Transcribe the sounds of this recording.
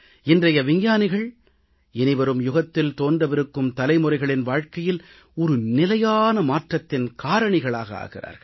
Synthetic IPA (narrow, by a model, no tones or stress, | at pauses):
ɪndrɐjɐʋɪɲɲaːnɪɣɐɭ | ɛnɪʋɐɾɯmjʊɣɐt̪ːɪlt̪oːndrɐʋɪɾɯkːɯmt̪ɐlɐɪmɯrɐɪɣɐɭɪnʋaːɻkɐjɪl | ɔɾɯnɪlɐjaːnɐmaːʈrɐt̪ːɪnkaːɾɐɳɪɣɐɭa̰ːɣɐa̰ːɣɪra̰ːɾɣɐɭ